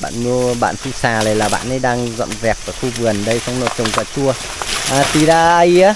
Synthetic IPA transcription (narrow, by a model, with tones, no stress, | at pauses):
ɓa̰ː˧˨nmu˧əɓa̰ː˧˨nsu˧saː˨˩lə˨˩jlaː˨˩ɓa̰ː˧˨nʔə˨˦jɗaː˧ŋzɔ̰˧˨nzɛ˨˩p̚vaː˨˩xu˧vɨ˨˩ənɗə˧jsa˧wŋ͡mnɔ˧˦t͡ɕə˨˩ŋ͡mtaː˧˩t͡ɕu˧ə | ʔaː˨˧˩t̪i˨˩zaː˧ə˧jaː˧˦